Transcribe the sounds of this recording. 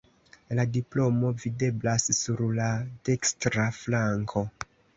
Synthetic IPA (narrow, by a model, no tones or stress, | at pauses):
ladiplo̞mo̞vide̞blasːuɾlade̞kstɾaflaŋkʰo̞